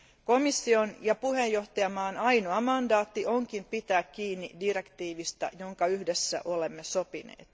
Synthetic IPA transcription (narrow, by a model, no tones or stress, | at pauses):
ko̞misːio̞njɑpuɦe̞jːo̞ht̪ɑjɑmɑːnɑjnoɑmɑndɑːt̪ːio̞ŋkimpit̪æːkkːiːnːḭdire̞kt̪iːʋist̪ɑ̰jo̞ŋkɑyhdesːæ̰ʔo̞le̞mːeso̞pinḛːt̪